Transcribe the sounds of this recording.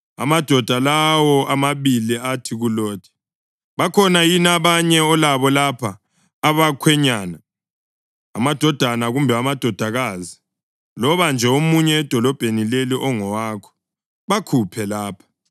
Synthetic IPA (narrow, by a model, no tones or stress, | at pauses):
a̰mad̥ʱɔd̥ʱalawɔamaβiliatʰiɣulɔːd̥̚ʰʱɛ̥ | βakʰɔnajinaβaɲɛɔlaβɔlapʰaː | βakʰwɛɲaːna | amad̥ʱɔd̥ʱanaɣumbʱɛamad̥ʱɔd̥ʱaɣaːzi | lɔβand͡ʒʱɛomuɲɛːd̥ʱɔlɔb̥ʱenileliʔɔŋɔwaːkʰɔ̥ | βakʰupʰɛlaːpʰḁ